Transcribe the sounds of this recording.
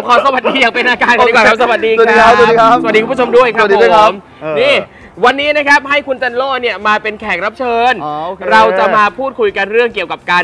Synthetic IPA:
kʰɔː˧sa˧wa˨˩t̪̚diː˧jaː˨˩ŋpe˧nʔaː˧kaː˧nː˨˦˨a˦˥sa˧wa˨˩t̪̚diː˧˨˧a˦˨i˧a˦sa˨˩t̚diː˧˦˥o˧mdu˥˩əjkʰɾa˦˩˧o˦m | niː˥˩ | wa˧nːiː˦˥na˦˥kʰɾa˦˥p̚ɦa˥˩jkʰu˧nt͡ɕa˧nlɔː˥˩ni˥˩əmaː˧pe˧nkʰɛː˨˩k̚ɾa˦˥p̚t͡ɕʰɤː˧nɾa˧wt͡ɕa˨˩maː˧pʰuː˥˩t̪̚kʰu˧jka˧nɾɯ˥˩əŋki˨˩əwka˨˩p̚kaː˧n

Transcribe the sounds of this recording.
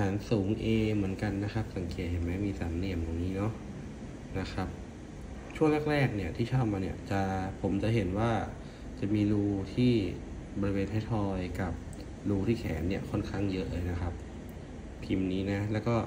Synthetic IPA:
aː˩˦nsuː˩˦ŋʔeː˧mɯ˩˦ənka˧nːa˦˥xʰa˦˥p̚sa˨˩˦ŋkeː˨˩t̪̚ɦe˩˦nmɛː˦˥miː˧saː˩˦nli˧˩əmjɔː˨˩ŋniː˦˥nɔ˦˥ | na˦˥kʰa˦˥p̚ | t͡ɕʰu˥˩əŋlɛ˥˩k̚ɾɛː˥˩k̚ni˥˩ɐt̪ʰiː˥˩t͡ɕʰɔː˥˩p̚maː˧ni˥˩ɐt͡ɕa˨˩pʰo˩˦mt͡ɕa˨ʔɦe˩˦nwaː˥˩ | t͡ɕa˨˩miː˧ɾuː˧t̪ʰiː˥˩ | bɔː˧ɾi˧weː˧nt̪ʰa˥˩jt̪ʰɔː˧jka˨˩p̚ | luː˧t̪ʰiː˥˩kʰɛ̰ː˩˦nːi˥˩ɐkʰɔ˥˩nkʰa˥˩ŋjɤ˦˥ʔlɤː˧jna˦˥xʰa˦˥p̚ | pʰi˧mniː˦˥na˦˥lɛː˦˥wkɔː˥˩

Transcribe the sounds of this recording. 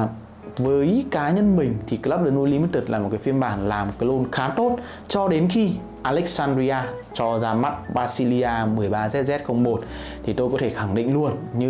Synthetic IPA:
vəː˨˦jkaː˨˦ɲə˧nmï˨˩ŋ̟t̪ʰi˨˩kə˧la˦˥p̚ɗəː˧˩no˧li˧˨˦mi˦˥t̪̚ɨ˨˩t̚laː˨˩mo˨˩kaː˨˦fi˧ənɓaː˧˩nlaː˨˩mo˨˩t̚kaː˨˦jʔo˧nxaː˨˦t̪o˦˥t̚ | t͡ɕɔ˧ɗe˨˦nxi˧ | ʔaː˧lɛ˦˥k̚saː˧ndɾi˧aː˧ | t͡ɕɔ˧zaː˧ma˦˥t̚ɓaː˧si˧li˧ʔaː˧mɨ˨˩əjɓaː˧zɛ˦˥t̚zɛ˦˥t̚xə˧wŋ͡mɓo˨˩t̚ | t̪ʰi˨˩t̪o˧jkɔ˨˦t̪ʰe˧˩xa˧˩ŋɗḭ̈˧˨ŋ̟lu˧ənɲɨ˧

